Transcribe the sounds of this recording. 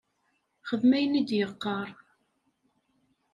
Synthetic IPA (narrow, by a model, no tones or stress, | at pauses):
χəðmæjənid̪jəqːɑɾˤ